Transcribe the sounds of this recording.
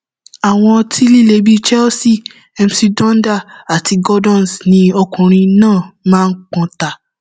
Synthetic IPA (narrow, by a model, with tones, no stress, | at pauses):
a˨w̃ɔ̃˧tʰi˦li˦˨le˨˧˦bi˦t͡ʃɛ˦o˦si˦˨ | ɛ˧m˦si˧dɔ̃˦n̩˦da˦˨a˨ti˧ɡɔ˦dɔ̃˦˨n˨snĩ˧ɔ˧kũ˨ɾ̃ĩ˧nãː˦˨mãː˦˧n̩˦k͡pɔ̃˧ta˨